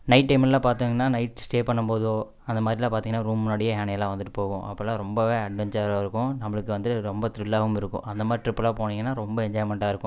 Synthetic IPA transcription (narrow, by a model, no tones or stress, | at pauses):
nɐɪʈʈːɐɪmlːãːpaːɾt̪iŋɡɐnːaːnɐɪʈsʈeːpɐɳːɐmpoːðoː | ɐnd̪ɐmaːd̪ɾɪlãːpaːɾiːŋɡɐnːaːɾuːmnoɽɐjɐɦaːnɐɐlːãːʋɐnd̪ɯʈːɯ̥poːɣʊ̃ʔɐ̰pːlːãːɾɔmbɐʋeːɐɖʋɛnsɐɾoːɪɾɯkːʊ̃nɐmːɐɭɯkːɯʋɐnd̪ɯɯɾɔmbɐt̪ɾɪlːaːɣɯmɪɾɯkːʊ̰̃ʔɐnd̪ɐmaːdɾɪʈɾɪpːlaːpoːniːŋɡɐnːaːɾɔmbɐɛɲd͡ʒɔːɪmɛɳʈaːɪɾɯkːʊ̃